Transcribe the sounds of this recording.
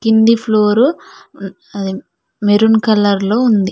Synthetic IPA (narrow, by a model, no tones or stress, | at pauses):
kind̪ipʰloːɾu | ɐd̪i | meɾunkɐlɐɾlo̞ːund̪i